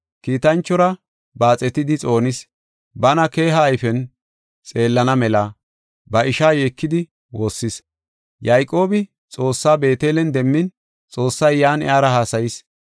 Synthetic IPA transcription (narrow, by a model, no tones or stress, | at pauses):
kiːt̪ɐnt͡ʃːɔɾɐ | baːt͡sʼɛt̪ɪd̪ɪt͡sʼo̞ːnɪs | bɐnɐke̞ːɦɐːjfɛn | t͡sʼe̞ːlːɐnɐmɛlɐ | bɐʔɪʃaːjeːkːɪd̪ɪ | wo̞ːsːɪs | jɐjkʼo̞ːbɪ | t͡sʼo̞ːsːaːbe̞ːt̪eːlɛnd̪ɛmːɪn | t͡sʼo̞ːsːɐjːaːnɪ̰aːɾɐɦaːsɐjɪs